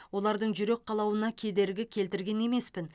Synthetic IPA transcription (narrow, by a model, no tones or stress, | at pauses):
wo̞lˠɑɾd̪əɴʒʏɾe̞k̚qʰɑlˠɑwənɑkʲʰe̞d̪e̞ɾɡʲɪkʲʰe̞lt̪ɪɾɡʲe̞ne̞me̞spɪn